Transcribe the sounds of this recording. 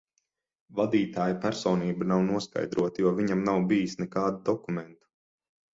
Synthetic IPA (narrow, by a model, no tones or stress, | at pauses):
vad̪iːt̪aːjpæɾsɔːniːbanawnuɔska̰jd̪ɾuɔt̪ajuɔviɲamnawbijisnɛkaːd̪ud̪ɔkumɛnt̪u̥